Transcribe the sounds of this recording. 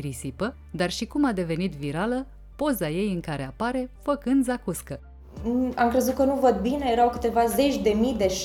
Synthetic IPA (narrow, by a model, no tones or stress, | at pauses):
ɾisipə | d̪arʃikumad̪e̞ve̞nit̪viɾalə | po̞zaje̞jɨŋkaɾe̞apaɾe̞fəkɨnd̪zakuskə | amkɾe̞zut̪̚kənuvəd̪̚bine̞jeɾawkɨt̪e̞vaze̞t͡ʃʲd̪e̞mijd̪e̞ʃ